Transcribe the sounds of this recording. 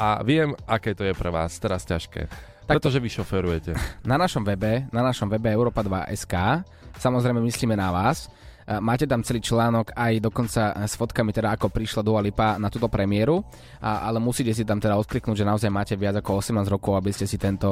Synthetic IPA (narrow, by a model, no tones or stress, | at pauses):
a̰ʋɪɛmakɛːt̪ɔjɛpɾɛʋa̰ːst̪ɛɾascaʃkɛ̰ː | t̪aɾɛt̪ɔʒɛʋiʃɔfɛɾujɛcɛnanaʃɔmʋɛbɛnanaʃɔmʋɛbɛɛʊɾɔːpad̪ʋa̰ʔɛ̰skaː | samɔzɾɛjmɛmisliːmɛnaʋaːs | maːcɛt̪amt͡sɛliːt͡ʃlaːnɔɡajd̪ɔkɔnt͡sasfɔt̪kamit̪ɛd̪aːkɔpɾiʃlad̪ualipanat̪uːt̪ɔpɾɛmiɪɛɾu | ʔalɛmusiːcɛs̬it̪amt̪ɛd̪aɔt̪kliknuːɟʒɛnaɔzajmaːcɛʋɪad͡zakɔɔsɛmnaːzɾɔkɔʊabiscɛsit̪ɛnt̪ɔ